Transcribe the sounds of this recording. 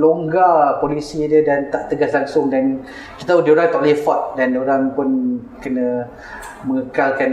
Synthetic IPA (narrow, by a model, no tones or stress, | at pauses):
loŋɡapolisidədant̪aʔt̪əɡaslaŋsʊŋdan | kit̪audioɾaŋt̪ɔʔlefɔt̪̚dandoɾaŋpʊn | kənã | məŋəkalkan